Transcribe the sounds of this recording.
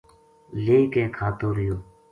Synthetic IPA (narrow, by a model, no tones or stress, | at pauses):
leːkẽːkʰaːt̪oːɾɪjoː